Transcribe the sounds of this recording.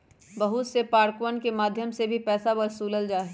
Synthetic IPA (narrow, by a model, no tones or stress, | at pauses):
bɐɦut̪sepaːɾkʋənkemaːd̪ʱjəmsebʱipɛːsabɐɾsuːləld͡ʒaːɦ